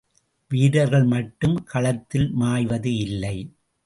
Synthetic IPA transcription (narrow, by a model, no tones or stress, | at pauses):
ʋiːɽɐɾɣɐɭmɐʈːɯmkʰɐɭɐt̪ːɪlmaːjʋɐðɯɪlːɐɪ